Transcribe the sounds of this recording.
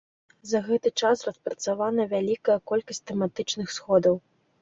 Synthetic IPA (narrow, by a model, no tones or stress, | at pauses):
zɐɣɛt̪ɨt͡ʂasrɐspɾɐt̪savanɐvʲalʲikɐjɐkɔlʲkɐsʲt̚ʲt̪ɛmat̪ɨt͡ʂnɨxsxɔd̪ɐw